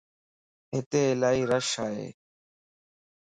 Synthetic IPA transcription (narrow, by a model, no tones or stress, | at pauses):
ɦɪt̪eːɪlaːiːɾəʃaːɦḛː